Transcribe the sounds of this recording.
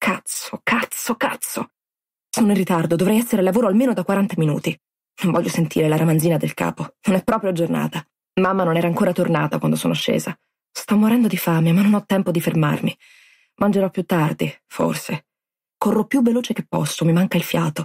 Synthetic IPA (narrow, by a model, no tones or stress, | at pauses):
kʰat̪sokat̪sːokat̪sːo | soːnoĩnrit̪ard̪od̪ovɾɛjɛsːeɾelavoːɾoalmeːnod̪akːwaɾant̪aminṵːt̪i | noɱvɔʎːjosent̪ʰḭːɾelaɾamanziːnad̪elka̰ːpononɛpːɾɔːpɾjoad͡ʒorna̰ːt̪a | mamːanonɛːɾaːŋkoːɾat̪orna̰ːt̪akwand̪oso̰ːnoaʃːḛːza | st̪ɔmːoɾɛnd̪od̪ifameamanːonɔt̪ːɛmpod̪iferma̰rmi | mʔand͡ʒeɾɔpːjut̪ːard̪ifo̰rse | korːopːjuvːeloːt͡ʃek̟epːɔ̰sːomimaŋkailfjaːt̪o